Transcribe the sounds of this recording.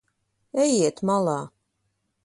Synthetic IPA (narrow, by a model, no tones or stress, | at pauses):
ɛjiɛt̪malˠɑː